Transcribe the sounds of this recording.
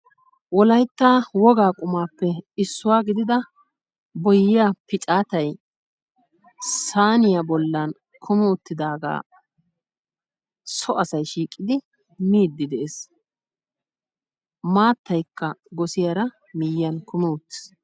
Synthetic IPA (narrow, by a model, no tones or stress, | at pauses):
wɔlɐjt̪ːaːwɔɡaːkʼʊmaːpːɛɪsːʊwaːɡɪd̪ɪd̪ɐ | bɔjɪaːpɪt͡ʃʼaːt̪ɐj | saːnɪjabɔlːɐn | kʰʊmɛʊt̪ːɪd̪aːɡa̰ː | sɔʔɐsɐjʃiːkʼːɪd̪ɪ | miːd̪ːɪd̪ɛʔes | maːt̪ːɐjkːɐɡɔsɪjaɾɐ | mɪjɪɐnkʊmɛʊt̪ːɪ̥s